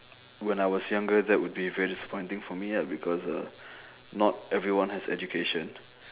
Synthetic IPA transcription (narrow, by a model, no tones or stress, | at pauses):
wɛ̃najwɔsjãŋɡədɛʔ̚wʊd̚bivɛɹidisə̥pʰɔ̃ɪ̃ntɪ̃ŋfɔmijɛt̚bikʰɔsə̰ | nɔtɛvɹiwãnhɛsɛ̰d͡ʒukʰeʃə̃n